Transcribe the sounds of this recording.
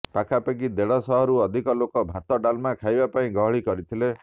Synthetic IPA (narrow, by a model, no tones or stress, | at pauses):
pakʰapeɡid̪eɭɔsɔɦɔɾuɔd̪ʱikɔlokɔbʱat̪ɔɖalmakʰajbapaĩɡɔɦɔɭikɔɾit̪ʰile